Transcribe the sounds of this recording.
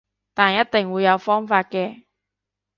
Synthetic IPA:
t̪aː˨˩njɐ˥t̚t̪ɪ˨˩ŋwuː˨˧jɐ˨˧wfɔː˥ŋfaː˧t̚kɛː˧

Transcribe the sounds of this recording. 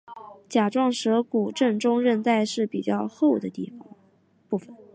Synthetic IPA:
t͡ɕja˨˩ʈ͡ʂwɑ˥˩ŋʂɤ˧˥ku˨˩ʈ͡ʂə˥˩ŋʈ͡ʂʊ˥ŋɻə˥˧nt͡sa˥˧ɪʂɻ̩˥˩pi˨˩t͡ɕjɑ˥˧ʊxo˥˩ʊd̪ə˩t̪ḭ˥˩fɑ̰˨˩ŋ | pu˥˩fə˩n

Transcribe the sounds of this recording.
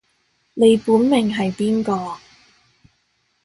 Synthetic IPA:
ne˨˧jpuː˨˥nmɪ˨˩ŋɦɐ˨jpiː˥nkɔː˧

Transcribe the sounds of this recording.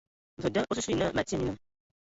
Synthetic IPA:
və˨də˦ʔo˦su˦su˦i˨nə˦ma˨tmi˦nə˨

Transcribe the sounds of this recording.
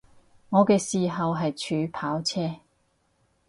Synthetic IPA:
ŋɔː˨˧kɛː˧siː˨ɦɐ˨wɦɐ˨jt͡ʃʰyː˨˥pʰaː˨˥wt͡sʰɛː˥

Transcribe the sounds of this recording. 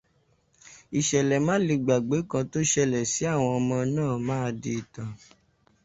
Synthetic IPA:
i˨ʃɛ˨lɛ˨mã˦le˧ɡ͡ba˨ɡ͡be˨˦kã˧to˦ʃɛ˦˨lɛ˨si˨˦a˦˨w̃ɔ̃˧ɔ˧mɔ̃˧nãː˦˨mãː˦˧de˧˨tã˨

